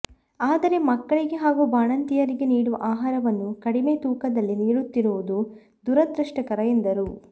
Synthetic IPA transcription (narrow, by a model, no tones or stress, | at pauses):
aːd̪ɐɾe̞mɐkːɐɭiɡe̞ɦaːɡubaːɳɐnt̪ijɐɾiɡe̞niːɽuʋɐʔaːɦaːɾɐʋɐnːukɐɽimet̪uːkɐd̪ɐlːiniːɽut̪ːiɾuʋud̪u | d̪uɾɐd̪ɾɐʂʈɐkɐɾɐjend̪ɐɾu